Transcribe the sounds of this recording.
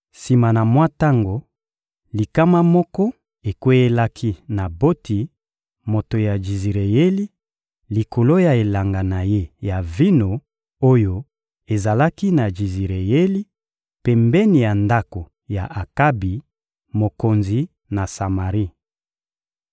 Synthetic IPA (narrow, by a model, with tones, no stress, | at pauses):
si˨ma˨na˨mwa˦ta˦ŋɡo˨ | li˨ka˦ma˦mɔ˦kɔ˦ | e˨kwe˦je˦la˦kʰi˦na˨bo˦ti˨ | mo˨to˨ja˨d͡ʒi˨zi˨ʁe˨je˦li˦ | li˨ko˨lo˦ja˨e˨la˨ŋɡa˨na˨je˦ja˨vi˦no˨ | o˦jo˨ | e˨za˨la˦ki˦na˨d͡ʒi˨zi˨ʁe˨je˦li˦ | pɛ˨mbɛ˦ni˨ja˨nda˦ko˨ | ja˨ʔa˨ka˦bi˨ | mo˨ko˨nzi˨ | na˨sa˨ma˨ʁi˦